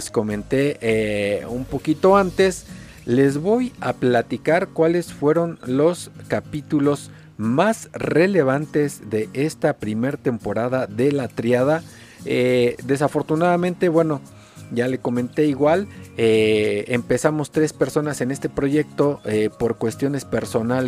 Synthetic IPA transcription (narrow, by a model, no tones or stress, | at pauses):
sko̞mẽ̞nt̪e̞eumpo̞kit̪o̞ant̪e̞s | le̞zβo̞japlat̪ikaɾkwale̞sfwe̞ɾo̞nlo̞skapit̪ulo̞z | masre̞le̞β̞ant̪e̞zðe̞ʔest̪apɾime̞ɾt̪e̞mpo̞ɾaðaðe̞lat̪ɾjaða | ed̪e̞s̬afo̞ɾt̪unaðamẽnt̪e̞βwe̞no̞ | ʝale̞ko̞mẽ̞nt̪e̞iɣwaleempe̞samo̞st̪ɾe̞spe̞ɾso̞nase̞ne̞st̪e̞pɾo̞ʝe̞k̚t̪o̞epo̞ɾkwe̞st̪jo̞ne̞spe̞ɾso̞nal